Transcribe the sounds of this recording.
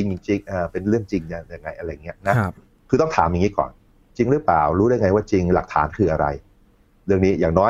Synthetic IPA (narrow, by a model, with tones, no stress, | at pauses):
t͡ɕi˧ŋt͡ɕi˧ŋt͡ɕi˧ŋʔaː˨˩pe˧nɾɯ˥˩əŋt͡ɕi˧ŋa˧˩ja˨˩ŋːa˧jʔa˧ɾa˧˩jːa˨˩ŋːi˦˥ɐna˦˥ | kʰɯː˧t̪ɔ˥˩ŋt̪ʰaː˩˦mja˨˩ŋiː˦˥kɔ̰ː˨˩n | t͡ɕi˧ŋɾɯ˦˥plaː˨˩wɾuː˦˥ɾa˥˩jŋa˧jwaː˥˩t͡ɕi˧ŋla˨˩k̚t̪ʰa̰ː˩˦nkʰɯː˧ʔa˧ɾa̰˧j | ɾɯ˥˩əŋniː˦˥jaː˨˩ŋnɔː˦˥